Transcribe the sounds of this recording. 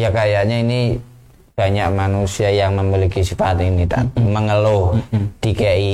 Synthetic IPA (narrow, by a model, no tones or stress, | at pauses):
jakajaʔɲaini | b̥a̤ɲak̚manusiajaŋməmilikisifat̪init̪a̰t̪məŋəlod̥ikajaʔi